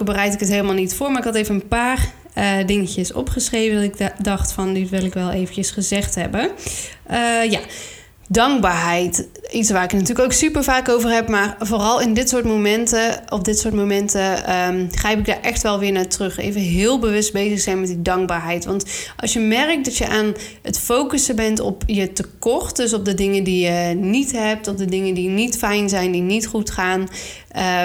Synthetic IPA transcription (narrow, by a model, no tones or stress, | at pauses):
bərɛjtɪkətɦejləmalˠnitfʊːɹmaɹɪkɑtejvənənpaːr | ədɪŋəcəsɔ̰pχəsrejvədɔtɪkdɑχtfɑnditʋɪlˠɪkʋɛlˠejvəncəsχəzɛχtɦɛbə | əja | dɑŋɡ̚baːɹɦɛjtitsʋaːɾɪknatyːɹləkowksypəɹvaːkowvəɹɦɛpmaːɹvoːrɑlˠɪndɪtsʊːɹtmomɛntəɔfdɪtsʊːɹtmomɛntəmχrɛjpɪɡ̚daːɹʔɛχtʋɛlˠʋɪːɹnaːtrɵχḛjvənɦɪːlˠbəʋɵsd̚bejzəχsɛjnmɛtdidɑŋɡ̚baːɹɦɛjtʋɑntʔɑ̰lˠsjəmɛrək̚t̚dɑtjəʔaːn | ətfowkəsəbɛntɔ̰pjətəkɔrtdøs̬ɔp̚dədɪŋəndijənitɦɛp̚tɔfdədɪŋəndinitfɛjnzɛjndinitχutχaːn | ə